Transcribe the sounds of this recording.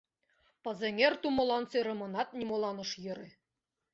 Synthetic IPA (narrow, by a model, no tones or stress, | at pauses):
pɤ̆zĕŋʲerʲt̪umŏlˠɑnseɾɤ̆mɤ̆nɑt̪̚nʲimolˠɑnɤ̆ʃjɤ̆ɾe